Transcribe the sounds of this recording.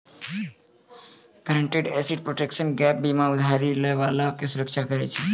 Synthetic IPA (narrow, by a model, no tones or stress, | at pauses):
ɡəɾəɳʈeɖɛsiʈ̚pɾoʈekʃənɡɛp̚bimãud̪ʱaɾiləʋalakesuɾək̚t͡ʃʰakəɾɛ̰t͡ʃʰɛ